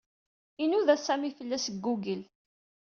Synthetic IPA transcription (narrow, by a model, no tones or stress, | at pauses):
inuðæsæmifəlːæsəɡːuɡəl